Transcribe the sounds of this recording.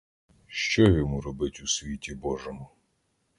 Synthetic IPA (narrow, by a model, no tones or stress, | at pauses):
ʃt͡ʃɔjɔmuɾɔbɪtʲusʲʋʲitʲibɔʒɔmʊ